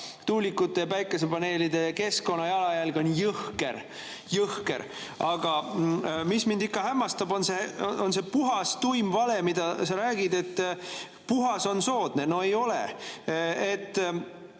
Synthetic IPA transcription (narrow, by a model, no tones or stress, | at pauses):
t̪uːlikːˑut̪ːˑe̞pæjkːˑes̬epɑne̞ːlid̪e̞ke̞sko̞nːɑjɑlɑjælɡ̥onʲjɯhkḛɾ | jɯhke̞̰ɾ | ɑɡ̥ɑ | mismind̪ikːɑɦæmːɑst̪ɑbo̞nseonse̞puɦɑst̪ujmvɑle̞mid̪̥ɑsɑɾæːɡ̥id̪e̞t̪ː | puɦɑso̞nso̞ːd̪̥ne̞no̞e̞jo̞lḛ | et̪ː